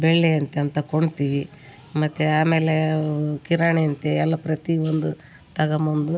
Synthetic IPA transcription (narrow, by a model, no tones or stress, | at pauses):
bɛɭːeɐnt̪eɐnt̪ɐkoɳt̪iːʋi | mɐt̪ːeaːme̞ːlekiɾaːɳeɐnt̪eɛlːɐpɾɐt̪iond̪u | t̪ɐɡɐmɐnd̪u